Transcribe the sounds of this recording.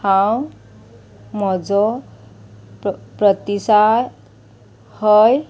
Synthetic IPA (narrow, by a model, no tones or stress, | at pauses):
haw | mʌd͡zo | prʌt̪isa | hʌj